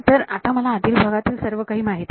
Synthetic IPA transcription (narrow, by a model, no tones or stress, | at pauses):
t̪əɾat̪aməlaːd̪ʱiːlbʱəɡat̪iːlsəɾʋəkaɦiːmaɦit̪